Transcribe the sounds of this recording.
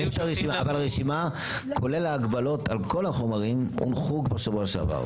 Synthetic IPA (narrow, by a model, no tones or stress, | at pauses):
eʃtaʁeʃimaːvalaʁeʃima | kʰolelaːɡbalo̞t̪alko̞laχo̞maʁimṵnχuɡbaʃavoaʃea̰va̰ʁ